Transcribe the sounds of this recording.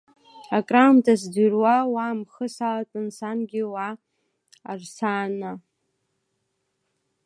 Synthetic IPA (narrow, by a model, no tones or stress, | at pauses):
akʼramtʰʼasdirwawamχəsalatʼɨnsanɡʲɪwaː | rsana